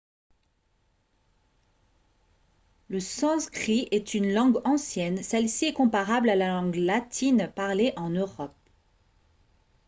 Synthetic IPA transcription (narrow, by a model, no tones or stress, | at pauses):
ləsɑ̃skχiʔɛt̪ynlɑ̃ɡɑ̃sjɛnsɛlsiɛkɔ̃paʁablalalɑ̃ɡlat̪ʰinpaʁleʔɑ̃nøʁɔp̚